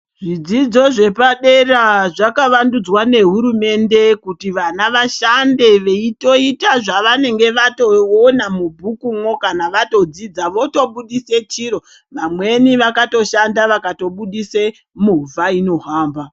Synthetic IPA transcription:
ʐ̥id͡zid͡zo̞ʐe̞paɗe̞raʐakaʋandud͡zwane̞ɦuɾume̞nde̞kutiʋanaʋaʃande̞ʋe̞ito̞itaʐaʋane̞ŋɡe̞ʋato̞onamubʱukumwokanaʋato̞d͡zid͡zaʋo̞to̞ɓuɗise̞t͡ʃiɾo̞ | ʋamwe̞niʋakato̞ʃandaʋakato̞ɓuɗise | muvaino̞ɦaːmba

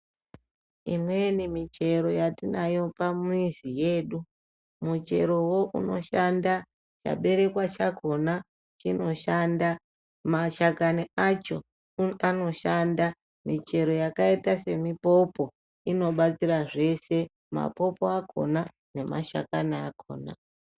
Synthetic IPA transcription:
imwe̞nimit͡ʃe̞ɾo̞jatinajo̞pamuizije̞ːɗu | mut͡ʃe̞̰ɾo̞wo̞ʔuno̞ʃanda | t͡ʃa̰ɓe̞ɾe̞kwat͡ʃakʰo̞na | t͡ʃino̞ʃanda | maʃakaniat͡ʃo̞ | ano̞ʃanda | mit͡ʃe̞ɾo̞jakaitase̞mipo̞po̞ | ino̞ɓat͡siraʐe̞se̞ | ma̰po̞poakʰo̞̰na | ne̞ma̰ʃa̰kanaːkʰo̞̰ːna̰

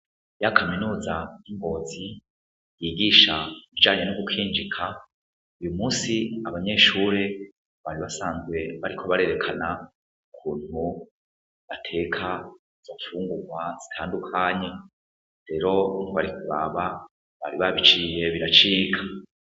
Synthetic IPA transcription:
jakʰaminuːzaiŋɡo̞ːzi | jiːɡiːʃaiβid͡ʒaːɲenoɡukʰiːnd͡ʒikʰa | ujumuːsiaβaɲe̞ːʃuːɾe̞ | βaɾiβasaːnzɡwe̞βaɾikʰo̞βaɾe̞ɾe̞kʰana | uukʰuːn̥hu | βatʰe̞kʰa | z̥afuːŋɡuɡwazitʰaːndukʰaɲe̞ | ɾe̞ɾo̞noβaɾikʰuɾa̰βa | βa̰ɾiβaβit͡ʃije̞βiɾat͡ʃiːɡa

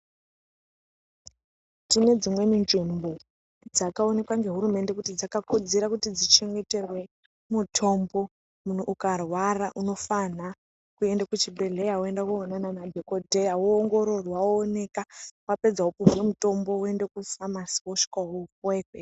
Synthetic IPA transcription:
tine̞d͡zimwe̞ninʐimbo̞ | d͡zakao̞ne̞kwaŋɡe̞ɦuɾume̞nde̞kutid͡zakakud͡zeɾakutid͡zit͡ʃe̞ŋɡe̞te̞rwe̞ | mutʰo̞mbo̞ | mun̤uʔːkarwaraʔuno̞fana | kue̞ndakut͡ʃibʱe̞ɮe̞jaue̞ndakuonanamadʱekodʱe̞jawoːŋɡo̞ɾo̞rwaone̞kawape̞d͡zaɦupuɦwemuto̞mbo̞e̞nde̞kufamasi̥woʃi̥kaɦokweːɸe

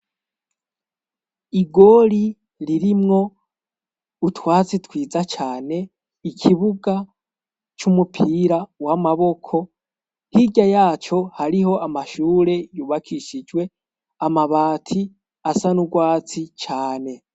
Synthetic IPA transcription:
iɡo̞ɾi | ɾiɾimŋo̞ | utwaːt͡sitwiːzat͡ʃaːne̞ | ikʰiβuɡa | t͡ʃumupʰiɾawamaβo̞kʰo̞ | hiɟajaːt͡ʃo̞haɾiɦo̞ʔamaʃuːɾe̞juːβakʰiʃid͡ʒwe̞ | amaβaːtʰi | asanuɡwaːt͡sit͡ʃaːne̞

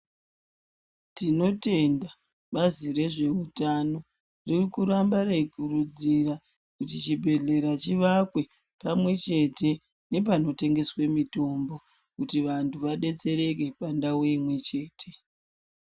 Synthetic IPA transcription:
tino̞te̞nda | ɓazire̞ʐe̞utano̞ | ririkuɾambaɾe̞kuɾud͡zira | kutit͡ʃibʱe̞ɮe̞ɾat͡ʃiʋakwe̞ | pamwe̞t͡ʃe̞te̞ | ne̞p̬ano̞te̞ŋɡe̞swe̞mito̞mbo̞ | kutiʋantʰuʋaɗe̞t͡se̞ɾe̞ke̞pandawoimwe̞t͡ʃe̞ːtʰe̞

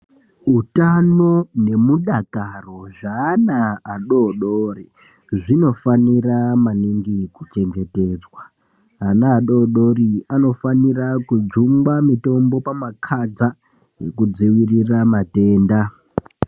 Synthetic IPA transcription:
ɦutano̞ne̞muɗakaro̞ʐaːnaːɗo̞ɗoːri | ʐino̞faniramaniŋɡikut͡ʃe̞ŋɡe̞te̞ːd͡zwa | ɦanaːɗoɗo̞ɾiano̞fanirakud͡ʒuŋɡamito̞mbo̞pamakʰad͡za | je̞kud͡ziwiriramate̞ːnda

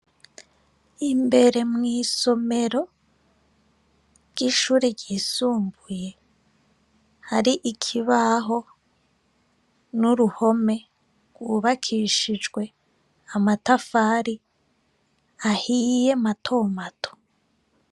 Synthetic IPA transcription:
imbe̞ɾe̞mŋiːso̞me̞ɾo̞ | ɾɟ̥iʃuːɾiɾɟiːsuːmbuje̞ | haɾiʔikʰiβaɦo̞ | nuɾuho̞me̞ | ɡwuːβakʰiʃid͡ʒɡwe̞ | amatafaɾi | ahije̞matʰo̞ːmatʰo̥

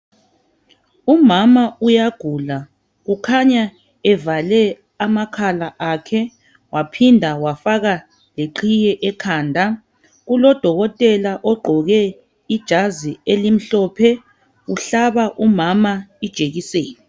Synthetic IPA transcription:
umamaujaɡ̥ʱula | ɣukʰaɲa | ɛvalɛ | amakʰalaʔakʰɛ | wapʰindʱawafaɣa | leǃʰijɛʔɛkʰaːndʱa | ɣulɔd̥ʱɔɣɔtʼɛlaʔɔɡ͡ǃʱɔɣɛ | id̥ʒ̥ʱazielim̩ɬɔpʰɛ | uɬaβaʔumamaid̥ʒ̥ʱeɣiseːni

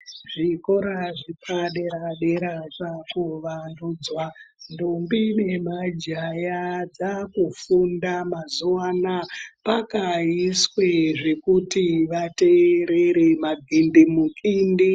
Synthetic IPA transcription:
ʐiko̞ɾaʐipʰaɗeɾaɗeɾat͡ʂakuʋandud͡zwandumbine̞mad͡ʒajad͡zakufundamazuwanapakaisweʐekutiʋateɾeɾemaɡʱindimukindi

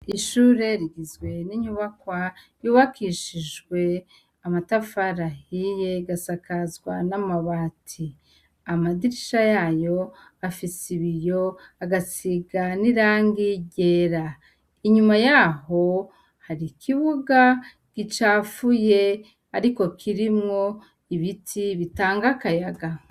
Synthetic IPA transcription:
iʃuːɾe̞ɾiɡizɡwe̞niɲuβakwajuːβakiʃiʒɡwe̞ | amatafaɾahije̞ɡasakazɡwanamaβaːtʰi | amadiɾiʃajaːjo̞ | afisiβijo̞aɡasiɡaniɾaːŋɡiɟe̞ːɾa | iɲumajaɦo̞ | haɾikʰiβuɡa | ɡ̥it͡ʃaːfuje̞ | aɾiko̞kʰiɾimŋo̞ | iβitʰiβitaːŋɡakajaɡa

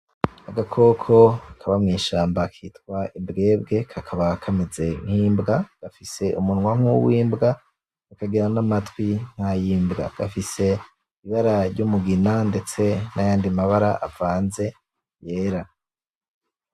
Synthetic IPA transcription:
aɡakʰo̞kʰo̞kʰaβamŋiːʃaːmbakʰiːtkwaimbɡe̞ːbɡe̞kʰakʰaβakʰamize̞ŋ̥hiːmbɡaɡ̥afise̞umunŋwaŋuβwiːmbɡa | ukaɡiɾanamatwiŋ̥hajiːmbɡa̰ɡ̥afise̞ | iβaɾaɾɟumuɡinande̞t͡se̞najaːndimaβaɾa̰ʔav̥aːnze̞ | je̞ːɾa

